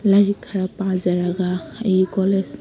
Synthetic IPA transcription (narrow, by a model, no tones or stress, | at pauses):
laɾikʰːaɹapãzaɹaɡaejkɔles